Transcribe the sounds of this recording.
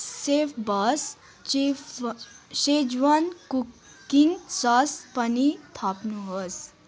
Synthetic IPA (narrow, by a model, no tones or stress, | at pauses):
sefbɐs | ʃed͡ʒʋanku | insaːspɐnit̪ʰaːpnuɦəs